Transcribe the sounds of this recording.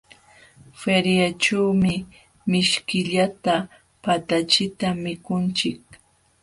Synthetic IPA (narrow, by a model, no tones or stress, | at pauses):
feɾjat͡ʃawmɪ | mɪʃkɪʎat̪a | pat̪at͡ʃɪt̪amɪkʊnt͡ʃɪk̚